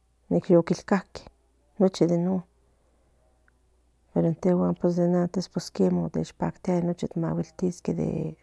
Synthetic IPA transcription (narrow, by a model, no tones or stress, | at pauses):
nikjokilkahke̥ | not͡ʃid̪eno | peɾoent̪ewaːnpwesd̪enant̪espweskemot̪ḛt͡ʃpakt̪eanot͡ʃit̪ma̰wilt̪isked̪ḛ